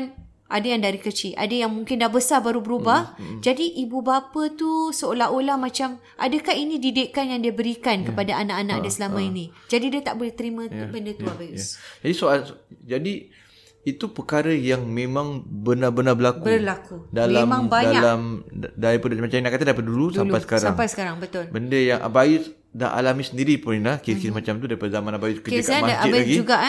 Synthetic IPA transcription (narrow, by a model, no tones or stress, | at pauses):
n | ʔadajaŋdaɾikət͡ʃiʔa̰dajaŋmũŋkɪndahbəsarbaɾubəɾubahd͡ʒadiʔibubapət̪usəolaɦolahmãt͡ʃam | ʔa̰dəkahinĩdidɪʔkanjaŋdiəbəɾikankəpadaʔanaʔanaʔadasəlamãinĩd͡ʒadidiat̪aʔ̚bolɛht̪əɾimə̃bəndət̪uabajusd͡ʒadisoald͡ʒadi | it̪upəkaɾəjaŋmẽmãŋbənabənabəlakbərlakudalaemãŋbaɲdaalamdaipundamat͡ʃaminaʔkat̪adapat̪̚dulusdalupajsə̥kasɾaaŋmpajsə̥kaɾaŋbət̪ʊlbəndəjaŋʔa̰bajus | da̰ɦʔa̰lamĩsəndiɾipʊnilakiskismat͡ʃamt̪udaɾipadəzamãnabajuskəiamaaaibaaɡid͡ʒuɡaʔ